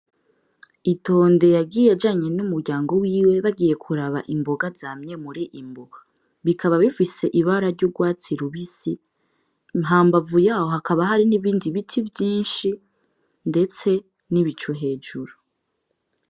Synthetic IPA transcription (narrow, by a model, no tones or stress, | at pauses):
ito̞ːnde̞jaɡiːjad͡ʒaːɲe̞numuɾɟaːŋɡo̞wiːwe̞βaɡiːje̞kʰuɾaβa̰ʔimbo̞ɡazamɲe̞muɾiʔimboɡa | βikʰaβaβifise̞ʔiβaɾaɾɟuɡwaːt͡siɾuβisi | mɦaːmbavujaːhohakʰaβaɦaɾiniβiːndiβitʰivjiːnʃi | nde̞t͡se̞ | niβit͡ʃuɦe̞ːd͡ʒuɾu